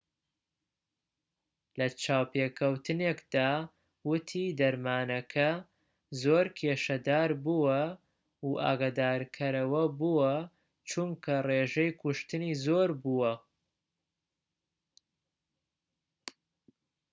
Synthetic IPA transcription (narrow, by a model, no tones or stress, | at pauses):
lɐt͡ʃaːwpekʰɐwt̪ʰɨnekd̪̥aː | wʊt̪ʰid̪ɐɾmaːnɐkʰɐ | zoːɾkʰeʃɐd̪aːɾbuwɐ | uʔa̰ːɡaːd̪aːɾkʰɐɾɐwɐbuwɐ | t͡ʃumkʰɐreːʒɛjkʰʊʃt̪ɨniːzoːɾbuwɐ